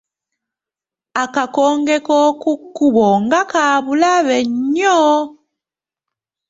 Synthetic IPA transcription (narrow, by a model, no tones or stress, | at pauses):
akakɔŋɡɛkɔkukuβɔŋɡakaβulaβɛɲɔ